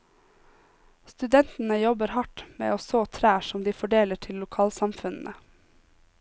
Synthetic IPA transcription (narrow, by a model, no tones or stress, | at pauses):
st̪ʉd̪ɛnt̪n̩əjɔbəɾhɑʈmḛːoːsoːt̪ʰɾæːʃɔmd̪iːfɔɖeːləʈʰɪllʊkʰɑːlsɑmfʉnn̩ʔə